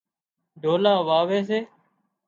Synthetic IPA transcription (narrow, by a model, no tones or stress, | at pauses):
ɖʱoːlaːʋaːʋeːs̬eː